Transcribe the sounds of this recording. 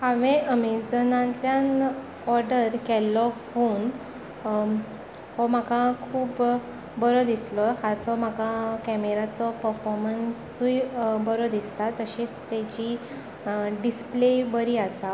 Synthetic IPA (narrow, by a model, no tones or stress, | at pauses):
hãʋẽəmid͡zənãnt̪ljan | ɔɾɖəɾkɛlːɔfon | ɦɔm̤akakʰuːb | bəɾɔd̪islɔhat͡sɔm̤akakɛmeɾat͡sɔpəɾfɔɾmənsubəɾɔd̪ist̪at̪əɕĩt̪ːɛd͡ʑi | ɖisplebəɾiːasa